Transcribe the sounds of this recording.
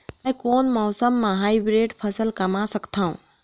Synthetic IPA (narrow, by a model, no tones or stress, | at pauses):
mjkoːnmɔːsəmːãɦaːjibɾeːɖpʰəsəlkəmasəkt̪ʰaṵ̃